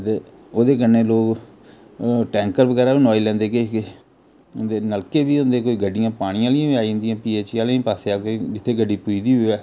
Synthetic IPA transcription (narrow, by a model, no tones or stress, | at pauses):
t̪eː | oːd̪eːkənːeːloːk | ʈɛ̃ːŋkəɾbəɡɛːɾaːiːnɔːiːlɛ̃ːnd̪eːkeːke | nd̪eːnəlkeːbiːɦʊ̃ːnd̪eːkoːiːɡəɖːɪjãːpaːɽ̃ɪjãːlɪjãːʋiaːĩnd̪ijãːpiːeːt͡ʃːaːlẽpaːseːaːkoid͡ʒɪt̪ʰːeːɡəɖːiːpuiːd̪iːɦoːɛː